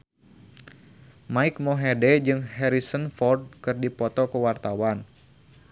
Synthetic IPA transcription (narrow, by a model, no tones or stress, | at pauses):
maik̚moɦedɛd͡ʒɨŋɦɛɾisənfɔrd̚kɨrdipɔt̪ɔkəwart̪awan